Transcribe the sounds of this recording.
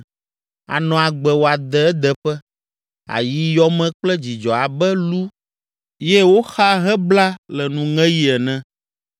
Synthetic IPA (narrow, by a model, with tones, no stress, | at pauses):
a̰˨nɔ̃˨a˨ɡ͡bɛ˨wo˨a˨d̪ɛ˨ɛ˦d̪ɛ˨ɸɛ˦ | a̰˨ji˦jɔ˦mɛ̃˦k͡plɛ˦d͡ʑi˨d͡ʒɔ˨a˨bɛ˦lu˦ | je˦wo˦xa˦ɦɛ̃˦bla˦lɛ˨nũ˨ŋɛ̃˦ji˦ɛ˨nɛ̃˦